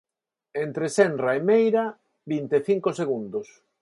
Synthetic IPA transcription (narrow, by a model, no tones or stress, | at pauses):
ent̪ɾesɛnraemejɾa | bint̪eθiŋkoseɣund̪os